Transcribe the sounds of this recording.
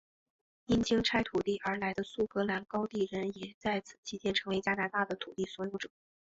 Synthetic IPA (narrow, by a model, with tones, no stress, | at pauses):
i˥nt͡ɕi˥ŋʈ͡ʂʰa˥ɪt̪ʰu˨˩t̪i˥˩ʔə˞˧˥la˧˥ɪd̪ə˧su˥˩kɤ˧˥la˧˥nkɑ˥ʊt̪i˥˩ɻə˧˥njɛ˨˩t͡sa˥˩ɪt͡sʰɹ̩̥˨˩t͡ɕʰi˧˥t͡ɕjɛ˥nʈ͡ʂʰɤ˧˥ŋwe˧˥ɪt͡ɕja˥na˧˥t̪a˥˩d̪ə˩t̪ʰu˨˩t̪i˥˩swɔ˧˥jo˧˥ʊʈ͡ʂɤ̥˨˩˦